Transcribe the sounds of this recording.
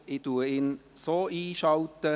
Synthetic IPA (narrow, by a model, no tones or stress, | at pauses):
ɪt̪uːəɪnsoiːʃɑʊt̪ə